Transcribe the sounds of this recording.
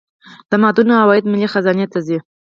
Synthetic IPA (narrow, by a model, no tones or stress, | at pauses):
d̪̥əmɑd̪unahawɑjɪd̪mɪlixazɑnet̪azi